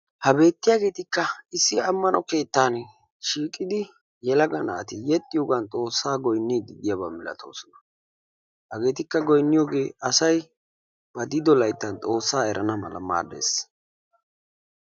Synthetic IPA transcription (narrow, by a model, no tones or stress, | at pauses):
hɐbe̞ːt̪ːɪjaːɡe̞ːt̪ɪkːɐɪsːɪɐmːɐnɔke̞ːt̪ːaːn | ʃiːkʼɪd̪ɪ | jɛlɐɡɐnɐ̰ːt̪ɪjɛt̪ʼːɪjoːɡɐnt̪ʼo̞ːsːaːɡɔjnːid̪ɪd̪ɪjabamɪlɐ̰t̪ʰo̞̰ːsɔnɐ | hɐɡe̞ːt̪ɪkːɐɡɔjnːɪjoːɡe̞ːɐsɐj | b̥ɐd̪ɪd̪ɔlɐjt̪ːɐnt̪ʼo̞ːsːaːɛɾʔɐnɐmɐ̰lɐ̰ma̰ːd̪ḛs